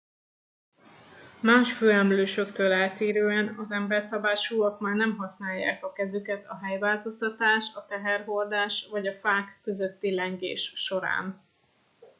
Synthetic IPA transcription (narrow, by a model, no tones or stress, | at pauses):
maːʃføːɛmløːʃøkt̪øːlɛːt̪eːɾøːɛnɒzɛmbɛrsɒbaːrʃuːɒkmaːrnɛmɦɒsnaːjːa̰ːkɒkɛzykɛt̪ʰɒɦɛjvaːlt̪o̞st̪ɒt̪aːʃɒt̪ɛɦɛrɦo̞rd̪aːʃvɒɟɒfaːkːøzøt̪ːilɛŋɡḛːʃːo̞ɾa̰ːn